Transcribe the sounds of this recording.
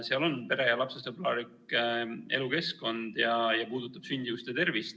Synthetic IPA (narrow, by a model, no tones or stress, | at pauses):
seɑlo̞npe̞ɾe̞jɑlɑpsest̪eplɑːlikˑ | e̞̰luke̞sko̞nd̪̥jɑjɑpuːd̪ut̪ːˑɑb̥synʲd̪iust̪et̪e̞rvist̪